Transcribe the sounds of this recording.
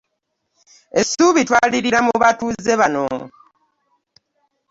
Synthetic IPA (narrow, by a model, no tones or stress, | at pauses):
e̞suːβitwaːliɾiɾamuβatuze̞βano̰